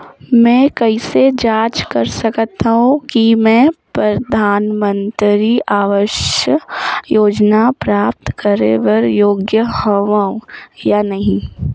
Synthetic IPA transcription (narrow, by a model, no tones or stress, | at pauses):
mɛ̃ːkɐised͡ʒaːt͡ʃkɐɾsɐkət̪ːaɦũkimɛ̃ːpɾɐd̪ʱaːnmə̃nt̪ɾiʔaːʋəʃjəjoːd͡ʒnapɾaːp̚t̪kəɾḛʋəɾjoːɡjəhɐʋaũjanɐɦĩ